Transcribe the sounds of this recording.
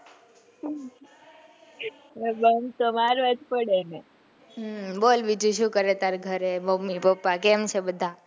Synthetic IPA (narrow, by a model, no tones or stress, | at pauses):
bənt̪omaɾʋad͡ʒ̪pəɽene | bolbid͡ʒuʃũkəɾet̪aɾɡʱəɾebəmipəpːakemt͡ʃʰebəd̪ʱa